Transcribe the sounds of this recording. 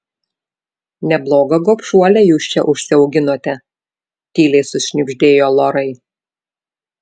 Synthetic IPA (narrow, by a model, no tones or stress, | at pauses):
nʲɛblˠoːɡɐɡoːpʃuɔlʲɛjuːst͡ʃʲɛʔʊʃʲsʲɪɒʊɡʲɪnoːt̪ʲɛ | t̪ʲiːlʲɛɪsʊʃʲnʲɪbʲʒʲd̪ʲeːjoːlˠoːɾɐɪ